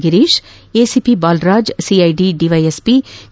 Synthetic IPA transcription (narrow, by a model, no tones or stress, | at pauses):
ɡiɾiːʃ | esipibaːlɾaːd͡ʒsiajɖiɖiʋajespi